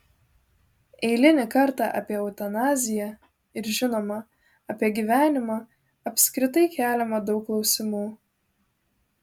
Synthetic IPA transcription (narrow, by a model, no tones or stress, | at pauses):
ɛɪlʲɪnʲɪkɐɾˑt̪ɑʔɐ̰pʲiɛɔʊt̪ɐnɑːzʲɪjæ | ɪɾʒʲɪnoːmɐ | ɐpʲiɛɡʲiʋʲæːnʲɪmɑː | ɐpʲsʲkɾʲɪt̪̬ɐɪkʲæːlʲɛmɐd̪ɒʊkːlˠɒʊsʲɪmuː